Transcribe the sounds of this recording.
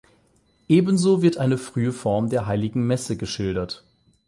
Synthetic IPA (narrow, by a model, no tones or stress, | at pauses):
ʔeːbən̩zoːvɪɐtʔaɪnəfʁ̥yːəfɔɐmdeːɐɦaɪlɪɡŋ̩mɛsəɡəʃɪldɐt